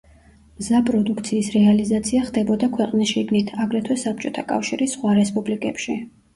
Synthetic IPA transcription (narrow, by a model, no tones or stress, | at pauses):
mzapʼɾɔd̪ukt̪sʰiːsɾɛalizat̪sʰiaχd̪ɛbɔd̪akʰwɛqʼnisʃiɡnit̪ʰaɡɾɛt̪ʰwɛsap̚t͡ʃʼɔt̪ʰakʼa̰fʃiɾisχwaɾɛspʼublikʼɛpʃi